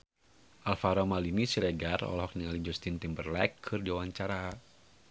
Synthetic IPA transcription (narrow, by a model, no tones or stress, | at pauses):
ʔalfaɾɔmalinisiɾɛɡarɔ̰lɔɦɔk̚niŋalid͡ʒɔst̪int̪imbərlɛkʰːɨrdiawaɲt͡ʃaɾa